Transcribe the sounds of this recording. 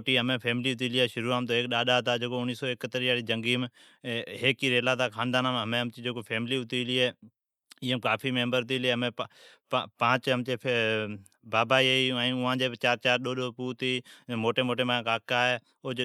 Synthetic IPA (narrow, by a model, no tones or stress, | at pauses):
ʈiːɦəmẽːpʰeːmliːʊt̪iːliːeːʃʊɾuːaːmt̪oːeːkɗaːɗaːt̪aːd͡ʒeːkoʊniːsoːɪkət̪əɾiːaːɽiːd͡ʒəŋɡiːm | ɦeːkiːɾeːlaːt̪ʰaːkʰãːnd̪aːnaːməmẽːɦəmt͡ʃid͡ʒeːkoːpʰeːmɪliːʊt̪iːliːeː | ɪːəmkaːpʰiːmẽːmbəɾt̪iːleːɦəmẽ | pãːt͡ʃɦəmt͡ʃeː | baːbaːieiãĩʊãːd͡ʒeːbt͡ʃaːɾt͡ʃaːɾɗoːɗoːpuːt̪iːmoːʈeːmoːʈeːmãːkaːkaːɦeː | o